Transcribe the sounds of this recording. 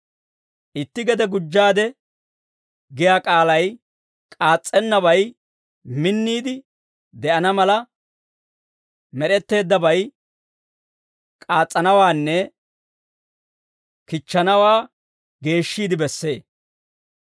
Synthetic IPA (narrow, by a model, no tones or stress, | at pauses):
ʔɪt̪ːɪɡɛd̪ɛɡʊd͡ʒːaːd̪ɛ | ɡɪjaːkʼaːlɐj | kʼaːt͡sʼːɛnːɐβɐj | mɪnːiːd̪ɪ | d̪ɛʔɐnɐmɐlɐ | mɛɾɛt̪ːe̞ːd̪ːɐbɐj | kʼaːt͡sʼːɐnɐwaːnːɛ | kɪt͡ʃːɐnɐwaː | ɡe̞ːʃːiːd̪ɪbɛsːe̞ː